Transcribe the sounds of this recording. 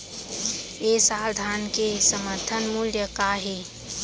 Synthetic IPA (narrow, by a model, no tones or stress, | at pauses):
esaɾd̪ʱankesəməɾt̪ʰənmuljəkaɦi